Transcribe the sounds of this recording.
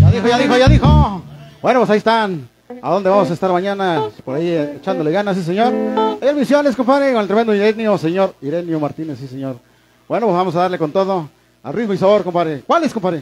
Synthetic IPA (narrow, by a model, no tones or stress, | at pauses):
aðixoʝaðixoaʝaðixob̥wenopwes̬aiest̪an | aðo̞nd̪eβamos̬aest̪aɾmaɲanapoɾaiet͡ʃand̪oleɣanas̬is̬eɲoɾajalmisjonleskompaɾekonelt̪ɾee̞nd̪oiɾenjoseɲoɾiɾenjomaɾt̪inesːis̬eɲoɾ | bwenopwezβamos̬aðaɾleko̞nt̪oðo | a̰lrid̪moisaβoɾkompaɾekwaleskompaɾe